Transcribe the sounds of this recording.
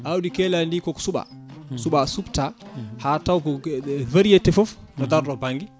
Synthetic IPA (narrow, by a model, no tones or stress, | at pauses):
awdikɛlandikɔksuɓa̰suɓasubtahatawɡɔveɾietɛfɔfnɔdaɾdɔbaŋɡi